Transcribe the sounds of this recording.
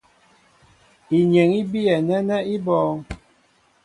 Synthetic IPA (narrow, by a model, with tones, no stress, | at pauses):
i˨ɲe˨ŋi˦bi˦ɛ˨nɛ˦nɛ˦i˦bɔː˨˦ŋ